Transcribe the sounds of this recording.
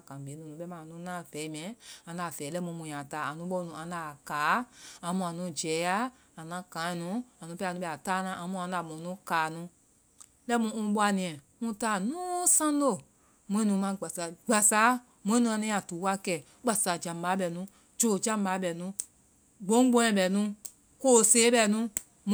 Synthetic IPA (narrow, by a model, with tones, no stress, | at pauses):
kã˨be˨˦nũ˨nũ˨˦ɓɛ˦mã˨nũ˨˦nãː˦˨vɛ˨˦m˦ɛ̃˨˦ã˧nda˨fɛː˨˦lɛ˦mũ˧˦mũ˨jã˨taː˨˦a˨nũ˨˦ɓɔ˦˧nũ˧˨ʔã˧˦da˨kaː˨˦ã˧mũ˧˨ã˨nũ˦d͡ʒɛː˨˦ja˦ | a˨nã˦kã˨˦ĩ˧nũ˨˦ã˨nũ˨˦pɛ˧˦˧ũ˦ɓɛ˧˨a˨taː˦nã˨˦ʔã˧˦mũ˧˦ã˧˦da˨mũ˨˦nũ˦kaː˨nũ˧˦ | lɛ˦mũ˧˦ũ˧˦ɓɔ˦a˧nĩ˨ɛ̃˨ | mũ˧˦taː˦˨nũː˦sã˦lo˦˨ | mũ˦ĩ˦nũ˨˦mã˧˦˨ɡ͡ba˨sa˨ɡ͡ba˨sa˨˦ | mũ˦ĩ˦nũ˧˦ã˧nɛ̃˦ã˨tu˨˦wa˦kɛ˨ | k͡pa˨sa˨d͡ʒã˨mba˨˦ɓɛ˧˨nũ˨˦ | d͡ʒo˨d͡ʒã˦m˦ba˨˦ɓɛ˨nũ˧˦ | ɡ͡bõ˦ɡ͡bɔ̃˦ɛ̃˧˨ɓɛ˨nũ˧˦ | ko˦˨seː˨˦ɓɛ˧˨nũ˦